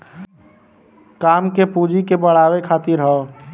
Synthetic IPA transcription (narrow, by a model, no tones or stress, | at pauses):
kaːmkepud͡ʒikebəɽ̤aːwekʰaːt̪iɾɦɔ